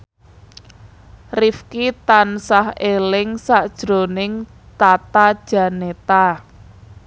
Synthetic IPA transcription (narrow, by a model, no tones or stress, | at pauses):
rifkit̪ansahelɪŋsaʔd̥ʒ̥ɾo̤nɪŋ | t̪at̪ad̥ʒ̥ä̤net̪a